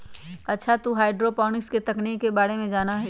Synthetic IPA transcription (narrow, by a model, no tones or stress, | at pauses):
ɐtːʃʰat̪uɦaːɪɖɾopaːnɪksket̪ɐknikːebaːɽemẽd͡ʒaːnaɦɛ